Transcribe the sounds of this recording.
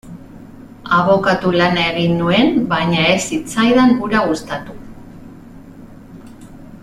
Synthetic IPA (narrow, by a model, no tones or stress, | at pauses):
aβo̞kat̪ulanae̞ɣinːue̞nbaɲae̞sit͡sajðaŋbuɾaɣust̪at̪u